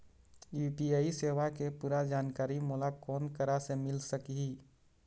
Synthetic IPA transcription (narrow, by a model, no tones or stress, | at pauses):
juːpiaːiseːʋakepuːɾad͡ʒaːnkaːɾimʊlakɔːnkəɾasemɪlsəkiɦi